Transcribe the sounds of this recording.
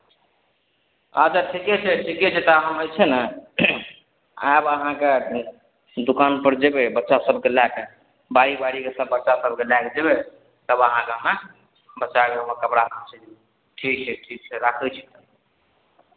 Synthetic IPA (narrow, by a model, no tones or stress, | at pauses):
ət͡ʃʰaʈʰikɛt͡ʃʰɛʈʰikɛt͡ʃʰet̪əɦəməjt͡ʃʰɛnə | a̰jbəɦãke | d̪ukanpəɾd͡ʒebebətːʃasəb̚ʱkelak | baɾibaɾikesəbːətːʃasəb̚ʱkelakd͡ʒebe | t̪əbəɦãkema | bətːʃakeoməkəpɾaɦãt͡ʃʰẽd͡ʒ | ʈʰik̚t͡ʃʰɛʈʰik̚t͡ʃʰɛɾakʰɛt͡ʃʰɛ̥t̪ə